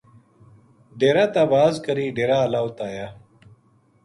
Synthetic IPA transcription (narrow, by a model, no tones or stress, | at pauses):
ɖeːɾat̪abaːzkɐɾiːɖeːɾaːlaːwt̪aːja